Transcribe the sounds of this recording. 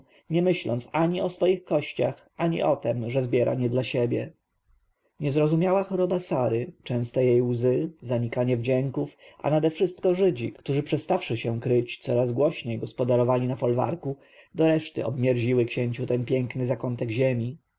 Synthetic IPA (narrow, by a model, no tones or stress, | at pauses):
ɲɛmɘɕlɔ̰nt̪saɲiɔsfɔjixkɔɕt͡ɕa̰x | aɲḭʔɔt̪ɛmʐɛzbʲjɛɾʔa̰ɲɛd̪laɕebʲjɛ̰ | ɲɛzɾɔzumʲjawaxɔɾɔbasaɾɘt͡ʂɛ̃w̃st̪ɛjejwzɘzaɲikaɲɛvd͡ʑɛŋkufa̰nad̪ɛfʂɘst̪̚kɔʐɘd͡ʑikkt̪uʐɘpʂɛst̪afʂɘɕɛ̃kɾɘt͡ɕt̪sɔɾazɡwɔɕɲejɡɔspɔd̪aɾɔvalʲinafɔlva̰ɾku | d̪ɔɾɛʂt̪ɘ̰ɔ̰bmʲjɛɾʑiwɘkɕɛɲt͡ɕut̪ɛnpʲjɛŋknɘzakɔnt̪ɛɡʑemʲi